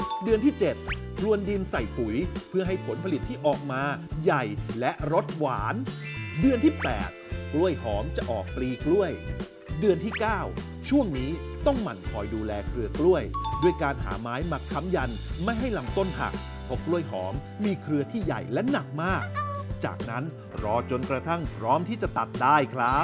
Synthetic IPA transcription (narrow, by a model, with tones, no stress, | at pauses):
dɯ˧ənt̪ʰiː˥˩t͡ɕe˨˩t̪̚ | kʰɾu˧əndi˧nsa˨˩jpu˩˦jpʰɯ˥˩əɦa˥˩jpʰo˩˦npʰa˧li˨˩t̪ʰːiː˥˩ʔɔː˨˩k̚maː˧ja˨˩jlɛ˦˥ʔɾo˦˥t̪̚waː˩˦ndɯ˧ənt̪ʰiː˥˩pɛ̰ː˨˩t̪̚klu˥˩əjhɔː˩˦mt͡ɕa˨˩ʔɔ̰ː˨˩k̚pliː˧klu˥˩əj | dɯ˧ənt̪ʰiː˥˩kaː˥˩w | t͡ɕʰu˥˩əŋniː˦˥t̪ɔ˥˩ŋma˨˩nkʰɔː˧jduː˧lɛː˧kʰɾɯ˧klu˥˩əjdu˥˩əjkaː˧nɦa̰ː˩˦maː˦˥jma˦˥kʰːa˦˥mja˧nma˥˩jɦa˥˩jla˧mt̪o˥˩npʰa̰˨˩k̚ | pʰɔ˦˥klu˥˩əjɦɔ̰ː˩˦mːiː˧kʰɾɯ˧ət̪ʰiː˥˩ja̰˨˩jlɛ˦˥na˨˩k̚maː˥˩k̚t͡ɕa̰ː˨˩k̚na˦˥n | ɾɔː˧t͡ɕo˧nkɾa˧t̪ʰa˥˩ŋpʰɾɔː˦˥mt̪ʰiː˥˩t͡ɕa˨˩t̪a˨˩t̪̚daː˥˩jkʰɾa˦˥p̚